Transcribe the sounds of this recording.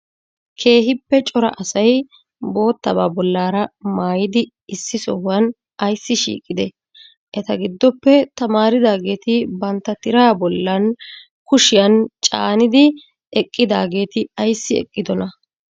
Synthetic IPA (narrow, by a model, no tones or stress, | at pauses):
kʰe̞ːɦɪpːɛt͡ʃʼɔɾɐ̰ʔɐsɐj | bo̞ːt̪ːɐbaːbɔlːaːɾɐmaːjɪd̪ɪ | ɪsːɪsɔ̰hʊwɐn | ʔɐjsːɪʃḭːkʼːɪd̪ɛ | ʔɛt̪ɐɡɪd̪ːɔpːɛt̪ɐmaːɾɪd̪aːɡe̞ːt̪ɪbɐnt̪ːɐt̪ɪɾaːbɔlːɐn | kʊʃɪjɐnt͡ʃʼa̰ːnɪd̪ɪ | ɛkʼːɪd̪aːɡe̞ːt̪ɪɐjsːɪɛ̰kʼːɪd̪ɔnɐ